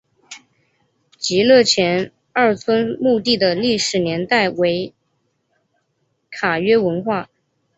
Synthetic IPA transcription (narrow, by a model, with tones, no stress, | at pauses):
t͡ɕi˧˥lɤ˥˩t͡ɕʰjɛ˧˥n | ɐ˞˥˩t͡sʰwə˥nmu˥˧t̪i˥˩d̪ə˩li˥˩ʂɻ̩˨˩njɛ˧˥nt̪a˥˩ɪwe˧˥ɪ | kʰa˨˩ɥɛ˥wə˧˥nxwa˥˩